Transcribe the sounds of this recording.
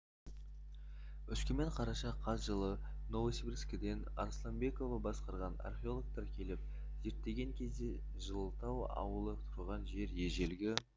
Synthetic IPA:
ʏskʲɪme̞ɴqʰɑɾɑʃɑqʰːɑzʒəlˠənovsibɾskʲɪd̪e̞nɑ̰ɾslˠambe̞ko̞vɑbɑsqɑɾʁɑna̰rχʲeo̞lˠo̞k̚t̪ɑɾkʲʰe̞lɪp̚ | z̥e̞ɾt̪ːe̞ɡʲe̞ŋkʲʰe̞zd̪e̞ | ʒəlˠəlt̪ɑwɑ̰wəlˠət̪ʰʊɾʁɑnʒe̞ɾje̞ʒe̞lɡʲɪ

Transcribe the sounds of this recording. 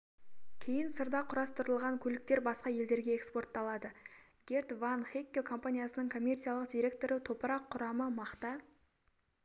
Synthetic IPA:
kʲʰe̞jɪnsəɾd̪ɑqʰʊɾɑst̪əɾəlˠʁɑŋkʲʰɵlɪk̚t̪e̞ɾbɑsqɑje̞ld̪e̞ɾɡʲe̞ekspo̞rt̪ːɑlˠɑd̪ə | ɡ̥ʲe̞ɾt̪vanχekʲːekʰo̞mpanʲijasənəɴkʰo̞mʲːe̞rt̪sialˠəqd̪ʲiɾʲe̞k̚t̪o̞ɾət̪ʰo̞pəɾɑqʰːʊɾɑməmɑqt̪ɑ

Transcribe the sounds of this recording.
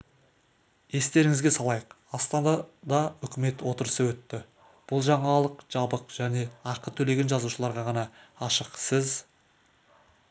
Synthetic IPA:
je̞st̪e̞ɾɪŋɪzɡʲe̞sɑlˠɑjəq | ɑst̪ɑnd̪ɑd̪ɑʏkʲɪme̞t̪wo̞t̪əɾəsəwɵt̪ːɪ | b̥ʊlˠʒɑɴɑlˠəqʒ̥ɑbəqʒ̥æne̞ɑqət̪ʰɵle̞ɡʲenʒɑzuʃəlˠɑɾʁɑʁɑnɑɑʃəqsəz

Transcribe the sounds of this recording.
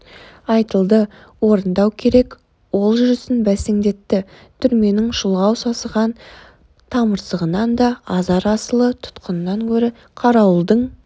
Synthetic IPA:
ɑjt̪əlˠd̪ə | wo̞ɾənd̪ɑwkʲʰe̞ɾe̞k | wo̞lˠʒʏɾɪsɪnbæseŋd̪e̞t̪ːɪ | t̪ʰʏɾme̞nɪŋʃʊlˠʁɑwsɑsəʁɑn | t̪ʰɑməɾsəʁənɑnd̪ɑɑzɑɾɑsəlˠət̪ʰʊ̥t̪qənənɑŋkʲʰɵɾɪ | qʰɑɾɑwəlˠd̪əɴ

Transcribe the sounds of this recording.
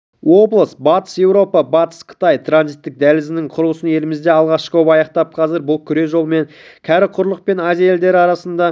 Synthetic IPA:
wo̞blˠəst̪bɑt̪ə̥sje̞wɾo̞pɑbɑt̪ə̥sqʰə̥t̪ɑjt̪ʰɾanzijt̪ːɪk̚d̪ælɪzɪnɪɴqʰʊɾʊlˠəsəne̞lɪmɪzd̪e̞ɑlˠʁɑʃqɵpɑjɑqt̪ɑp̚qʰɑzɪɾbʊlˠkʲʰʏɾe̞ʒo̞lˠme̞ŋ | kʲʰæɾɪqʰʊɾlˠəq̚pe̞nazijae̞ld̪e̞ɾɪɑɾɑsənd̪ɑ

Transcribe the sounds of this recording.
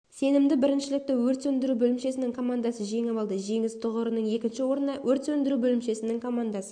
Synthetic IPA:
se̞nɪmd̪ɪbɪɾɪnʃɪlɪk̚t̪ɪwɵɾt̪ɵnd̪ɪɾubɵlɪmʃe̞sɪnɪŋkʰo̞mand̪asəʒe̞ŋɑvɑlˠd̪əʒe̞ŋɪzt̪ʰʊʁəɾənəɴje̞kʲɪnʃɪwo̞ɾnɑwɵɾt̪ɵnd̪ɪɾubɵlɪmʃe̞sɪnɪŋkʰo̞mand̪ɑsə̥

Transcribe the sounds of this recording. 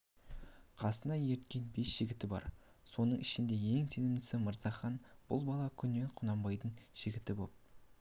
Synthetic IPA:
qʰɑsənɑje̞ɾt̪kʲe̞nbe̞sʒ̥ɪɡʲɪt̪ɪbɑ̰ɾ | so̞nəɴɪʃɪnd̪e̞je̞ŋse̞nɪmɪsɪməɾz̥ɑχɑnb̥ʊ̰lˠbɑlˠɑkʲʰʏnːe̞ɴqʰʊnɑmbɑjd̪əɴʒ̥ɪɡʲɪt̪ɪbop̚

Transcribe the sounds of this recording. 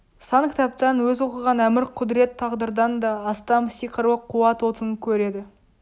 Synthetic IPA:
sɑŋkʲʰɪ̥t̪ɑp̚t̪ɑnwɵzuqəʁɑnæmɪɾqʰʊd̪ɾe̞t̪ʰːɑʁd̪əɾd̪ɑnd̪ɑːst̪ɑmsiqʰəɾwəqʰːuwɑt̪wot̪əŋkʲʰɵɾe̞d̪ɪ

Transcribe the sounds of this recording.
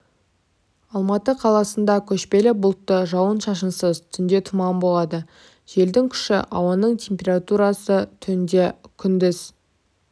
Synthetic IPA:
ɑlˠmɑt̪əqʰɑlˠɑsənd̪ɑkʲʰɵʃpe̞lɪbʊlˠt̪ːəʒɑwənʃɑʃ̬ənsəzt̪ʰʏnd̪e̞t̪ʰʊmɑmbo̞lˠɑd̪ə | ʒ̥e̞ld̪ɪŋkʲʰʏ̥ʃɪ̰ʔɑwɑnəɴt̪ʲʰe̞mpʲe̞rat̪uɾɑsət̪ʰʏnd̪e̞kʲʰʏnd̪ɪz

